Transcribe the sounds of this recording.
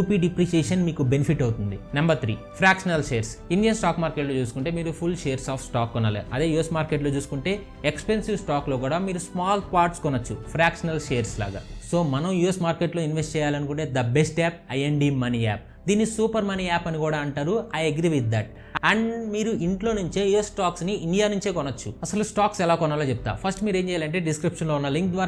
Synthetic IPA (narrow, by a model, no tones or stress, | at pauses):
juːpiːɖipɾiʃeːʂɐnmiːkube̞nipʰiʈːɐwt̪und̪inɐmbɐɾt̪ʰɾiːpʰɾaːkʂɐnɐlʃeːɾsiɳɖijɐnsʈaːkmaːɾkeʈloːt͡ʃuːsu̥kuɳʈe̞ːmiːɾupʰulʃeːɐɾsaːfʰsʈaːkːunɐlɐ̰ɐd̪e̞ːjuːjesmaːɾkeʈloːt͡ʃuːsu̥kuɳʈe̞ː | ekspensiʋsʈaːklo̞ːkuːɽaːmiːɾusmaːlt̪̚paːɾʈskunːɐt͡ʃːupʰɾaːkʂɐnɐlʃeːɐɾsla̰ːɡa̰ːso̞ːmɐnɐmjuːesmaːɾke̞ʈlo̞ːinʋesʈt͡ʃɛːjaːlɐnukuɳʈe̞ːd̪ɐbesʈɛːp̚ɐjeɳɖiːmɐniːaːp̚ | d̪iːnːisuːpɐɾmɐniːaːpɐnikuːɽaːɐɳʈaːɾuaːjeɡɾiʋid̪ːaːʈ̚ | ɐɳɖmiːɾuʔiɳʈlo̞ːnuɲt͡ʃe̞ːjuesːʈaːksniiɳɖijaːnuɲt͡ʃe̞ːkɔnːɐt͡ʃːuɐsɐlusʈaːksɛlaːkɔnːaːlɐːt͡ʃeput̪a̰ːpʰɐsʈmiːɾeːɲt͡ʃɛːjalɐɳʈ̬eːɖiskɾipʂɐnlounːɐliŋk̚d̪ʋaːɾ